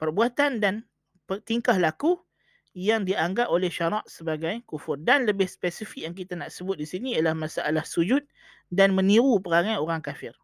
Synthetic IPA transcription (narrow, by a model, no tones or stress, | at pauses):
pərbuat̪andan | pət̪iŋkahlaku | jaŋdiaŋɡap̚olɛhʃaɾaʔsəbaɡajkufʊrdanləbɪhspesifɪk̚jaŋk̬it̪anaʔsəbʊt̪̚disiniialahmasaʔalahsud͡ʒʊt̪̚ | danmə̃niɾupəɾaŋajoɾaŋkafɪr